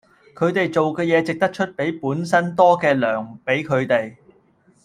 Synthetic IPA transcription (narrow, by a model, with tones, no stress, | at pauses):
kʰɵ˨˧ɥt̪e˨jt͡so˨wkɛː˧jɛː˨˧t͡sɪ˨k̚t̪ɐ˥k̚t͡ʃʰɵ˥t̚pe˨˥jpuː˨˥nsɐ˥nt̪ɔː˥kɛː˧lœː˨˩ŋpe˨˥jkʰɵ˨˧ɥt̪e˨j